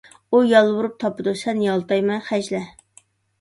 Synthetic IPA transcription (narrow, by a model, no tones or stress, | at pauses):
ujɑlˠwuɾup̚t̪ʰɑpɨd̪usɛnjɑlˠt̪ɑjmɛnχæʒlɛ